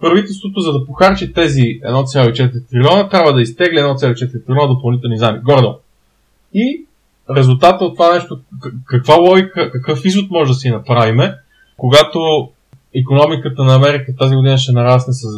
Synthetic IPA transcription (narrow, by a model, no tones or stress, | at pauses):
pɾɐvit̪ɛlˠst̪vot̪ozɐd̪ɐpoxaɾt͡ʃit̪ɛziɛ̰d̪nɔt̪sʲjalˠoit͡ʃɛt̪ɾʲit̪ɾʲilʲɔnət̪ɾʲabvəd̪ɐist̪ɛɡlʲiɛd̪nɔt̪sʲaloit͡ʃɛt̪ɾʲit̪ɾilʲɔnəd̪opɐlˠnit̪ɛlˠnizamiɡɔɾd̪o̰n | i | ɾɛzulˠt̪at̪əot̪ːovanɛʃt̪okɐkvalˠɔikəkɐkɤfizvot̪̚mɔʒɛd̪ɐsinɐpɾavimɛ | koɡat̪o | ikonɔmikət̪ənɐːmɛɾikət̪aziɡod̪inəʃ̬ɛnɐɾasnəsəs